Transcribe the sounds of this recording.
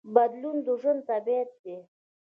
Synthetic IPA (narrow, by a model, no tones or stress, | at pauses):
bad̪lund̪uʒʊnd̪̚t̪abet̪̚d̪e